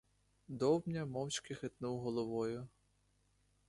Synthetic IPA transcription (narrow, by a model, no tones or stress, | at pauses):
d̪ɔwnʲɐmɔwt͡ʃʲkɪxet̪nuwɦɔlˠɔʋɔjʊ